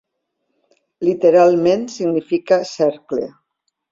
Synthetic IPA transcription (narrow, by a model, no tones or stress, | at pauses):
lit̪eɾalˠmẽnsiɣnifikasɛɾklḛ